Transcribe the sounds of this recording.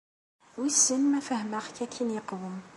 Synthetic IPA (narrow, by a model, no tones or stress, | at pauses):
wisənmæfæhməχkækʰːinjəqwəm